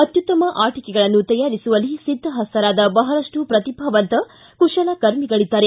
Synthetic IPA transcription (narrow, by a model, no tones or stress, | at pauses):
ɐt̪jut̪ɐmɐʔaːʈikɛɡɐɭɐnːut̪ɐjaːɾisuʋɐlisid̪ʱːɐɦɐst̪ɐɾaːd̪ɐbɐɦɐɾɐʂʈupɾɐt̪ibʱɐʋɐnt̪ɐ | kuʂɐlɐkɐɾmiɡɐɭid̪ːaːɾe